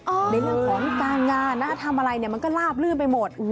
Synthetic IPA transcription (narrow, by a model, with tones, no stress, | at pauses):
ʔɔː˧da˧˩o˧o˧˦˥nkaː˧nŋaː˧nːa˦˥˩t̪ʰa˧mʔa˧ɾa˧jni˨˩ɐma˧nkɔː˥˩laː˥˩p̚lɯː˥˩npa˧jmo˨˩t̪̚